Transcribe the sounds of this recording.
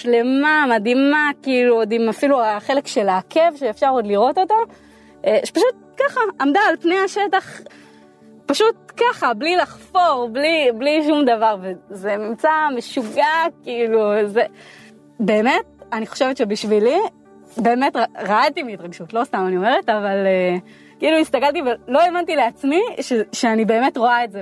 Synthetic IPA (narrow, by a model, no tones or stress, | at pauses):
ʃle̞mamadimakiːluodimafiluaχe̞le̞kʃe̞laːkʰe̞vʃeefʃaʁo̞dliʁo̞to̞ta | paʃut̪̚kaχaʔamd̪aːlpnejaʃe̞taχ | paʃut̚kaχablilaχfo̞ʁblibliʃumd̪avaʁveze̞nimt͡sameʃuɡakiiluze | be̞ːme̞t̚aniχo̞̥ʃevetʃe̞biʃvili | be̞ːme̞tʁaʁaatimiitʁaɡʃutlo̞st̪amanio̞me̞ʁetavale | kiiːluist̪akaltivelo̞emantile̞at͡smiʃeʃeanibe̞ːme̞tʁo̞aetze